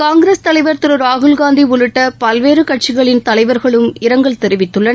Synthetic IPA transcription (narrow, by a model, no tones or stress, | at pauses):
kaːŋɡɪɾeːst̪ɐlɐɪʋɐɾt̪ɯɾɯɾaːɣɯlɡaːnd̪iʋʊɭɯʈːɐpɐlʋeːɾɯkɐʈ̚t͡ʃɪɣɐɭɪnt̪ɐlɐɪʋɐɾɣɐɭɯmɪɾɐŋɡɐɭt̪ɛɾɪʋɪt̪ːɯɭːɐ